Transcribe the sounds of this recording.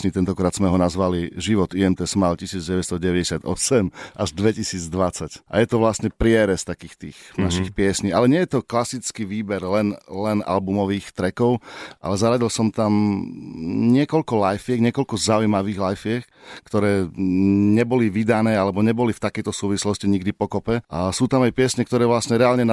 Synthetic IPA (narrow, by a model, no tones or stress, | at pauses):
ɲit̪ɛnt̪ɔkɾaːd̪z̥mɛɦɔnazʋaliʒiʋɔt̪iɛmt̪ɛsmalcisiːd͡zɟɛʋɛst̪ɔɟɛʋɛɟɛsɪad̪ɔsɛmʔaʒd̪ʋɛcisiːd͡zd̪ʋat͡sacʔa̰jɛt̪ɔʋlasɲɛpɾɪɛɾɛst̪akiːxt̪ḭːɣnaʃixpɪɛsɲialɛɲɪɛjɛt̪ɔklasit͡skiʋiːbɛɾlɛnlɛna̰lbumɔʋiːxt̪ɾɛkɔʊʔa̰lɛzaɾaɟilsɔmt̪am | ɲɪɛkɔʎkɔlajfɪɛɡɲɪɛkɔlkɔzaujmaʋiːɣlajfɪɛk | kt̪ɔɾɛː | ɲɛbɔliʋid̪anɛːalɛbɔɲɛbɔlift̪akɛjt̪ɔsuːʋislɔsciɲiɡd̪ipɔkɔpɛʔasuːt̪amajpɪɛsɲɛk̚t̪ɔɾɛːʋlasɲɛɾɛalɲɛn